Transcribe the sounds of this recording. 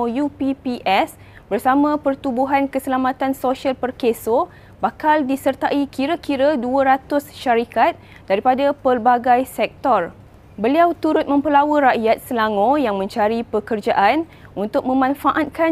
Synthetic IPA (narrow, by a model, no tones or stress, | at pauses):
jupipiʔɛs | bərsamãpərt̪ubuɦankəsəlamãt̪ansoʃialpərkeso | bakaldisərt̪aʔikiɾəkiɾaduəɾat̪ʊsʃaɾikat̪̚ | d̥aɾipadapərbaɡajsɛk̚t̪ɔr | bəliawt̪uɾʊt̪̚mə̃mpəlawəɾaʔjat̪̚səlaŋõjaŋmə̃ɲt͡ʃaɾipəkərd͡ʒaʔan | unt̪ʊk̚mə̃mãnfaʔat̪̚ka